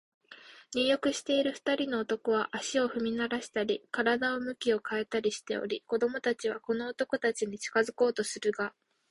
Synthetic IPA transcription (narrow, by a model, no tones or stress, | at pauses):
ɲʲijo̞kɯ̟ɕi̥t̪e̞iɾɯ̟ɸɯ̥t̪aɾʲino̞ːt̪o̞ko̞β̞aʔaɕio̞ɸɯ̟mʲinaɾaɕi̥t̪aɾʲikaɾad̪ao̞mɯ̟kʲio̞kae̞t̪aɾʲiɕi̥t̪e̞̰o̞̰ɾʲiko̞d̪o̞mo̞t̪at͡ɕiβ̞ako̞no̞ːt̪o̞ko̞t̪at͡ɕiɲ̟it͡ɕi̥kazɨko̞ːt̪o̞sɨɾɯ̟ɡa